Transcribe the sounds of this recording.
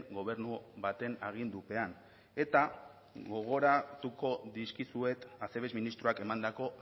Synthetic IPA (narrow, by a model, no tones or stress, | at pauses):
ɡo̞β̞e̞ɾnuβat̪e̞naɣ̞ind̪upe̞an | e̞t̪a | ɣo̞ɣ̞o̞ɾat̪uko̞ðiskisue̞t̪ase̞βe̞zminist̪ɾuake̞mand̪ako̞